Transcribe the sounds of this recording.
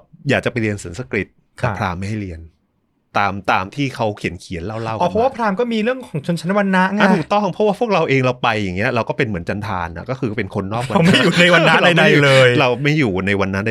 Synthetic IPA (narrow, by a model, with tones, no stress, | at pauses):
jaː˨˩k̚t͡ɕa˨˩pa˧jɾi˧ənsi˨˩˦nsa˧kɾi˦˩t̪̚ | ɛ˨˩pʰɾaː˧mːa˥˩ha˥˩ɾi˧ən | t̪aː˧mt̪aː˧mt̪ʰiː˥˩kʰa˦˥wkʰi˨˩˦ənkʰi˨˩˦nla˥˩wla˥˩wɔ˨˧˩ɔ˥waː˥˩pʰɾaː˧mkɔː˥˩miː˧ɾɯ˥˩əŋkʰɔː˩˦ŋt͡ɕʰo˧nt͡ɕʰa˧˥na˥wa˧nːa˦˥ʔŋa˧˩t̪ʰuː˨˩k̚t̪ɔ˥˩ŋpʰɔ˦˥waː˥˩pʰu˥˩ək̚ɾa˧wʔeː˧ŋɾa˧wpa˧jːa˨˩ŋːi˦˥ɐɾa˧wkɔː˥˩pe˧nmɯ˩˦ənt͡ɕa˧nt̪ʰaː˧nʔa̰˨˩kɔː˥˩kʰɯː˧pe˧nkʰo˧nːɔː˥˩k̚wwm˧a˥˩jjuː˨˩na˧jwa˧na˦˥ɾa˧˥˩da˥˩lɤː˧jɾa˧wma˥˩jːuː˨˩na˧jwa˧nːa˦˥a˥˧